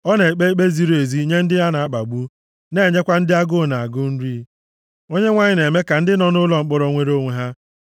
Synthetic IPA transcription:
ɔ˦ne˨k͡pe˦i˦k͡pe˦zi˦ɾo˨e˨zi˦ɲe˦n̩˦dɪ˦ɦa˦na˨a˦k͡pa˨ɡ͡bu˦ | ne˦˨ɲe˦kʷa˦n̩˦dɪ˦a˦ɡʊ˦˨na˨a˨ɡʊ˦n̩˦ɾi˦ | o˦ɲe˦ŋʷa˦˨ɲɪ˦ne˨me˦ka˨n̩˦dɪ˦nɔ˨nʊ˦lɔ˨ŋ͡m̩˨˦k͡pʊ˦ɾɔ˨ŋʷe˦ɾo˦ŋʷe˨ɦa˦

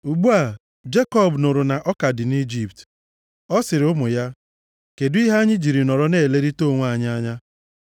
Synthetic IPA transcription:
u˨ɡ͡bu˦a˨ | d͡ʒe˦kɔ˦˨bnʊ˨ɾʊ˨na˨ʔɔ˦ka˨dɪ˨ni˦d͡ʒi˦pt | ɔ˦sɪ˨ɾɪ˨ʊ˦mʊ˨ja˦ | ke˨dʊ˦i˦ɦa˦ɲɪ˦d͡ʒi˨ɾi˨nɔ˨ɾɔ˦ne˦˨le˦ɾi˦to˦˨ŋʷ˦a˨ɲ˦a˦ɲa˦

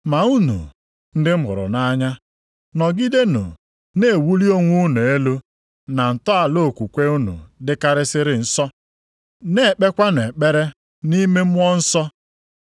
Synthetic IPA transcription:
ma˨u˦nṵ˨ | n̩˦dɪ˦m̩˦ɦʊ̰˨ɾʊ̰˨na˦ɲa˦ | nɔ˨ɡi˦de˦nṵ˨ | ne˨e˨wu˦li˦o˦ŋʷu˦nu˨e˦lo˦ | na˨n̩˨tɔ˦a˨lo˦˨kʷu˨kʷe˦u˦nṵ˨dɪ˦ka˦ɾɪ˦sɪ˦ɾɪ˨n̩˦sɔ˦ | ne˨e˨k͡pe˦kʷa˦n˨e˨k͡pe˦ɾe˦ | ni˦me˦m̩˦ɔ˦n̩˦sɔ˦

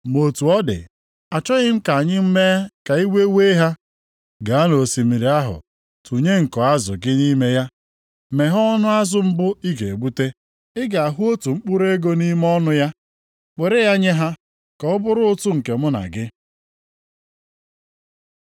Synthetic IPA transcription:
m˨o˨tu˨ɔ˦dɪ̰˨ | a˨t͡ʃɔ˦ɣɪ˦m̩˦ka˨a˨ɲɪ˦m̩˦me˦ka˨i˦wʷe˦we˦ɦa˦ | ɡa˨a˦no˨si˨mi˨ɾi˨a˦ɦʊ̰˨ | tu˨ɲe˦ŋ̩˨kɔ˨a˦zʊ̰˨ɡɪ˦ni˦me˦ja˦ | me˨ɦɔ˦nʊ˦a˦zʊ˦m̩˦bʊ˦i˦ɡe˨e˨ɡ͡bu˦te˦ | ɪ˦ɡa˨a˨ɦu˦o˦tu˨ŋ͡m̩˦k͡pʊ˦ɾe˦ɡo˦ni˦m˦ɔ˦nʊ˦ja˦ | k͡pe˨ɾe˦ja˦ɲe˦ɦa˦ | kɔ˨ʊ˦bʊ˦ɾʊ˦ʊ˦tʊ˦ŋ̩˨ke˨mʊ˦na̰˨ɡɪ˦

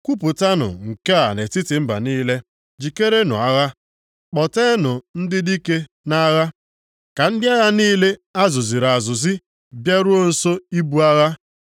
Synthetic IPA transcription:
kʷu˦p̬ʊ˨ta˦nʊ̰˨ŋ̩˨ke˦a˨ne˨ti˦tɪ˨m̩˦ba̰˨niː˦le˦ | d͡ʒi˨ke˦ɾe˦nʊ̰˨a˦ɣa˦ | k͡pɔ˨te˦nʊ˨n̩˦dɪ˦di˦ke˦ | na˦ɣa˦ | ka˨n̩˦dɪ˦a˦ɣa˦niː˦le˦a˦zʊ˨zi˨ɾa˨zʊ˨zɪ˦ | bja˦ɾu˦o˦n̩˨so˦i˦bu˦a˦ɣa˦

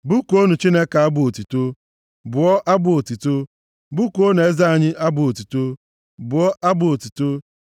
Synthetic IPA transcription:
bu˦ko˦nu˨t͡ʃi˦ne˦ka˨a˦bʊ˦˨o˨tu˨to˦ | bʊ˨ɔ˦ʔa˦bʊ˦˨o˨ti˨to˦ | bu˦ko˦n˨e˦za˦a˨ɲɪ˦ʔa˦bʊ˨o˨tu˨to˦ | bʊ˨ɔ˦ʔa˦bʊ˨o˨tu˨to˦

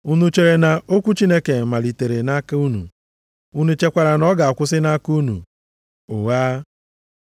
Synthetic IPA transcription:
u˦nu˦t͡ʃe˦ɾe˨na˨ʔo˦kʷu˦t͡ʃi˦ne˦ke˨ma˨li˨te˨ɾe˨na˦ka˦u˦nṵ˨ | u˦nu˦t͡ʃe˦kʷa˨ɾa˨nɔ˦ɡa˨a˨kʷʊ˦sɪ˦na˦ku˦nṵ˨ | ʊ˨ɣaː˦

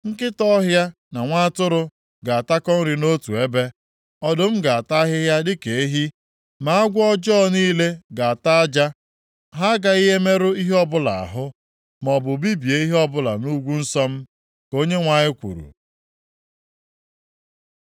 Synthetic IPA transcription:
ŋ̩˦kɪ˦tɔ˦ɦja˦ | na˨ŋʷa˦a˦tʊ˦ɾʊ˦ | ɡa˨a˨ta˦kɔ˦n̩˦ɾɪ˨no˦tu˨e˦be˦ | ɔ˦dʊ˦m̩˦ɡa˨a˨ta˦ɦɪ˦ɦja˦dɪ˦ke˨e˦ɦi˦ | ma˨a˦ɡʷɔ˦d͡ʒɔː˦˨niː˦le˦ɡa˨a˨ta˦a˦d͡ʒa˦ | ɦa˦ɡa˦i˦ɦe˦me˦ɾʊ˦i˦ɦɔ˦bʊ˦la̰˨a̰˨ɦʊ˦ | mɔ˨bʊ˨bi˦bi˨e˨˦i˦ɦe˦ɔ˦bʊ˦la̰˨nu˦ɡʷu˦n̩˦sɔ˦m̩˦ | ko˦ɲe˦ŋʷa˨ɲɪ˦kʷṵ˨ɾṵ˨

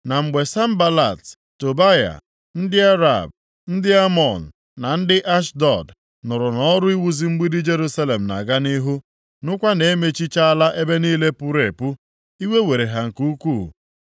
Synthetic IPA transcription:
na˨ŋ͡m̩˨ɡ͡be˨sa˦m̩˦ba˦la˨t | to˨ba˦ja̰˨ | n̩˦dɪ˦a˦ɾa̰˨b̚ | n̩˦dɪ˦a˦mɔ˨n̩˨ | na˨n̩˦dɪ˦ʔa˦ʃdɔ˨d | nʊ˨ɾʊ˨nɔ˦ɾʊ˦i˦wu˦zi˦ŋ͡m̩˦ɡ͡bi˦dɪ˦d͡ʒe˦ɾu˦sa˦le˨m̩˨na̰˨ɡa˦ni˦ɦu˦ | nʊ˦kʷa˦ne˨e˦me˦t͡ʃi˦t͡ʃa˦a˦la˦ʔe˦be˦niː˦le˦pu˦ɾe˨pu˦ | i˦we˦we˨ɾe˨ɦa˨ŋ̩˨ku˦kʷuː˦˨

